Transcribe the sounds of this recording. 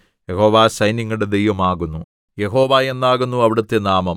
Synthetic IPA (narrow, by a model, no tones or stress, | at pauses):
jeho̞ːʋaːsɐjnjiŋːɐɭɽed̪ejʋɐmaːɣunːu | jeɦo̞ːʋaːe̞nːaːɣunːuɐʋiɽɐt̪ːenaːmɐm